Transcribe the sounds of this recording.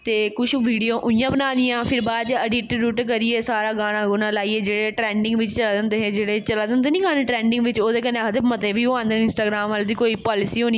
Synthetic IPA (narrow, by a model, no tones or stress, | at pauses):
t̪eːkʊʃʋiːɖijõːʔʊĩjãːbənaːlijãːpʰɪɾbaːd̪t͡ʃəɖɪʈɾuːʈk̬əɾieːsaːɾaːɡaːɽ̃ãːɡʊnãːlaːiːeːd͡ʒeːɽeːʈɾɛːɳɖɪ̃ŋɡʋɪt͡ʃt͡ʃəlaːd̪ɪnd̪eːɦẽd͡ʒeːɽeːt͡ʃəlaːd̪ɪnd̪eːnĩːɡaːnẽʈɾɛ̃ːɳɖɪ̃ŋɡʋɪt͡ʃoːd̪eːk̬ənekd̪ebmət̪eːbiːoãːnd̪enɪ̃nsʈaːɡɾaːmʋald̪iːkoːiːpaːlɪsiːɦoːni